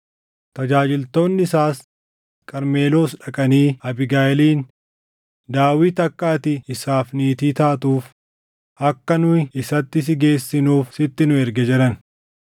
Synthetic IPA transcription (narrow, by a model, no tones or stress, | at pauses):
t̪ɐd͡ʒaːd͡ʒɪlt̪o̞ːnːɪɪsaːs | kʼɐɾmeːlo̞ːsᶑɐkʼɐniːɐbɪɡaːɛliːn | d̪aːwiːt̪ɐkːaːt̪ɪɪsaːfniːt̪iːt̪aːt̪uːf | ɐkːɐnʊɪsɐt̪ːɪs̬ɪɡe̞ːsːɪnuːfsɪt̪ːɪnʊɛɾɡɛd͡ʒɛɾɐn